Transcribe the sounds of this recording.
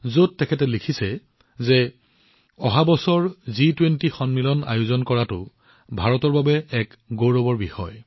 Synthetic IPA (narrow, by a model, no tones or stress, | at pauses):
zod̚ːɛkʰɛtɛlikʰisɛ | zɛ | ɔɦabɔsɔɹzitwentixɔnmilɔna̰jʊzɔnkɔɹatʊ̰ | bʱaɹɔtɔɹbabɛɛk | ɡoɹɔbɔɹbixɔ̰j